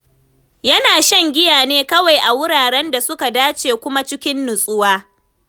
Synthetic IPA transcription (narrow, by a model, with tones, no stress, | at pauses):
jɐ˦naː˨ʃɐ˦ŋɡʲɪ˦jaː˨neː˦kɐ˦wa˨jʔa˨wʊ˦ɽaː˨ɽɛ˦nda˨sʊ˦ka˨daː˦t͡ʃeː˨kʷʊ˦ma˦t͡ʃɪ˦kʲɪ˦nːʊ˨sʼʊ˦waː˦